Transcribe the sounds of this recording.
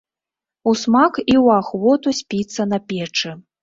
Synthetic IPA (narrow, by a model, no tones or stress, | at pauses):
usmakiwaxvɔt̪usʲpʲit̪sːɐnɐpʲɛt͡ʂɨ